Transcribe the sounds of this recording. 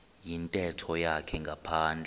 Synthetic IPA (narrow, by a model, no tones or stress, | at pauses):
jintʼɛtʰɔjakʰɛŋɡʱapʰaːnd͡ɮʱɛ